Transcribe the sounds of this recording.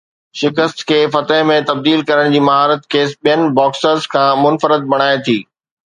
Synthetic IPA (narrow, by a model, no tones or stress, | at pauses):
ʃɪkəst̪kʰeːfɐt̪əɦmẽt̪ɐb̚d̪iːlkɐɾəɽ̃d͡ʑiːmɐɦaːɾət̪keːsɓijənɪ̆bɔːksəzkʰãːmʊnfəɾəd̪̚bɐɽ̃aːet̪ʰiː